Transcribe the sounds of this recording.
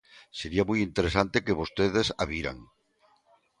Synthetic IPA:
seɾiamujint̪eɾesant̪ekeβost̪eð̞esa̰βiɾa̰ŋ

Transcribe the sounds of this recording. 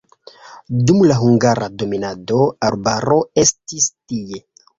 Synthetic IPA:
dumlaɦuŋɡaɾado̞minado̞albaɾo̞e̞stistie̞

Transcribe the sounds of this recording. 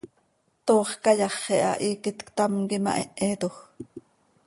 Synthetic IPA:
t̪oːχkɑjɑχːɛʔɑ̰ʔiːkit̪kt̪ɑmkimɑ̰ʔɛʔeːt̪ox

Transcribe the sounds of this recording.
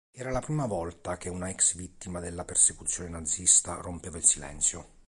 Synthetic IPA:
ɛːɾalapɾiːmavɔlt̪akeunaɛksvit̪ːimad̪elːapersekut̪sːjoːnenad̪zːist̪a̰rompeːvailsilɛ̰nt̪sjo

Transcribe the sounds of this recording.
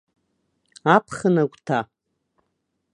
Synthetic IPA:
apʰχənakʷtʰa

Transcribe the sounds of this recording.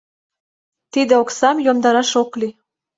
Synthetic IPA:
t̪id̪ĕoksɑmjomd̪ɑɾɑʃokli

